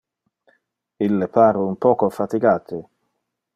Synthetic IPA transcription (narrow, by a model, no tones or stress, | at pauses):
ilːepʰaːɾɪumpɔːkofat̪iɡaːt̪ʰɪ